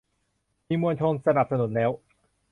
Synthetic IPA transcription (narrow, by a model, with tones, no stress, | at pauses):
miː˧mu˧ənt͡ɕʰoː˧ŋsa˧na˨˩p̚sa˧nu˩˦nlɛː˦˥w